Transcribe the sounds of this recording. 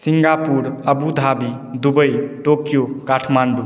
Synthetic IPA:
siŋɡapuɾəbud̪ʱabi | d̪ubəjʈokjokaʈʰmanɖu

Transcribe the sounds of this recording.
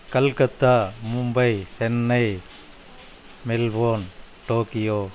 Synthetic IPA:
kɐlkɐt̪amumbɐjsenːɐj | melbon | ʈokijo

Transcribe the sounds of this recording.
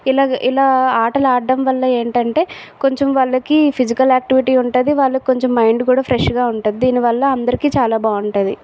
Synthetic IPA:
ilaːʔilaːaːʈɐlɐaːɖːɐmʋɐlːɐeːɳʈɐɳʈe̞ː | koɲt͡ʃemʋɐɭːɐkipʰid͡ʒikɐlaːk̚ʈiʋiʈiːuɳʈɐːd̪iʋaːɭːɐko̞ɲt͡ʃemːɐjɳɖkuːɽaːpʰɾeʂɡaːuɳʈud̪id̪iːniʋɐlːɐɐnd̪ɐɾikiːt͡ʃaːlaːbaːuɳʈɐd̪ḭ

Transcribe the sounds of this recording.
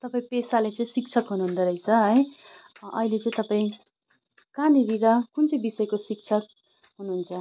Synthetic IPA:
t̪ʌpaĩpesalet͡sʌ̃ĩsik̚t͡sʰʌkɦunuɦund̪aɾʌit͡sʰʌɦʌj | ʔʌ̰ɦilet͡sʌ̃ĩt̪ʌpaĩ | kaniɾiɾʌkunt͡sʌj̃bisʌjkosik̚t͡sʰʌk̚ | ɦunuɦunt͡sʰʌ

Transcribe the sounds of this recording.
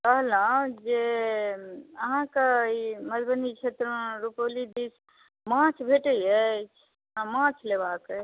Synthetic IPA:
kəɦlãd͡ʒe | əɦãkaiməd͡ʒbənit͡ʃʰet̪ɾəɾupolid̪is | mãt͡ʃʰbʱeʈəɛt͡ʃʰ | ãmãt͡ʃʰlebake

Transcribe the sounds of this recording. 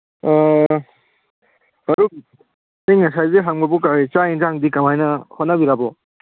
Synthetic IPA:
ɐɾu | teŋasajzeɦaŋbɐbukat͡ʃainzaŋdikamajnɐhɔnabiɾabɔ

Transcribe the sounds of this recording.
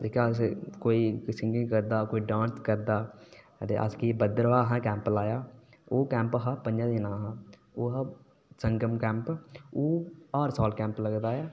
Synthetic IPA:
d͡ʒekaskoːiːsɪŋɡɪŋkəɾd̪aːkoːiːɖãːnskəɾd̪aː | t̪ḛːʔa̰skiːbəd̪əɾʋaːɦãːkɛ̃ːmplaːjaː | oːkɛ̃ːmpɦaːpənd͡ʒãːd̪inaːɦãːoːɦaː | səŋɡəmkɛ̃ːmpoːaːɾsaːlkɛ̃ːmpləɡd̪aːjaː

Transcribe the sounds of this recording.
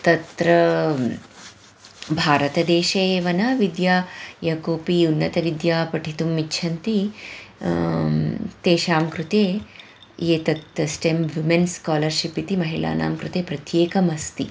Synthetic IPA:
t̪ɐt̪ɾɐ | bʱaːɾɐt̪ɐd̪eːʃɐʋɐnɐʋid̪jaːjɐkoːpiunːɐt̪ɐʋid̪jaːpɐʈʰit̪umːitːʃʰɐnt̪i | t̪eːʃaːmkɾut̪eː | eːt̪ɐt̪ːɐsʈemʋimenskaːlɐɾʃipit̪imɐɦila̰ːna̰ːmkɾut̪eːpɾɐt̪jeːkɐmɐst̪i

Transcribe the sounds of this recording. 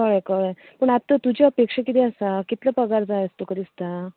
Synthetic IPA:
kəɭəkəɭ | pəɳat̪ət̪ud͡ʑeəpekʂəkit̪iəsakit̪ləpəɡaɾd͡zajəst̪ukəɾist̪a

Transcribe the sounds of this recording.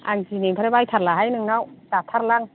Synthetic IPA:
aŋzineŋpʰaɾebajtʰaɾlaɦajnɯŋnawdatʰaɾlaŋ

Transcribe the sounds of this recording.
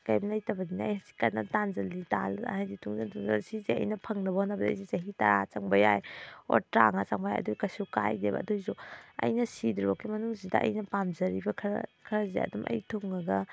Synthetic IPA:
kajmnɐjtɐbɐdinɐːjhasi̥kɐnːɐ̰tanzɐlːita̰l̰ajditʰuŋzantuŋzɐ̰lsizeɐ̰jnɐpʰɐŋnɐbɐhonːɐbɐd̰jzet͡ʃɐɦitaɾat͡ʃaŋbɐjajo̰ɾtɾaŋat͡ʃaŋbajajɐ̰dɔɡikɐsuwkajdebɐ̰ːdojzoɐ̰jnɐsidɾiɔkʰimɐnuŋzidɐ̰ʔɐ̰jnɐpamzɐɾibɐkʰkʰɐɾɐzḛɐ̰dumʔɐ̰jtʰuŋnɐɡɐ

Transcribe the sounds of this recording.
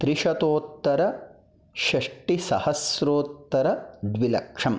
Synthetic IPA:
t̪ɾiʃɐt̪oːt̪ːɐɾɐ | ʃɐʂʈisɐ̰hɐsɾoːt̪ːɐɾɐd̪ʋilɐ̰kʂɐm

